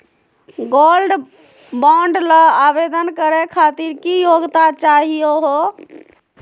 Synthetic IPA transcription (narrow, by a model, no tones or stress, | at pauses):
ɡolɖ | bɔ̃ɳɖləabed̪ənkəɾɛkʰat̪iɾkijoɡt̪at͡ʃaɦijoɦo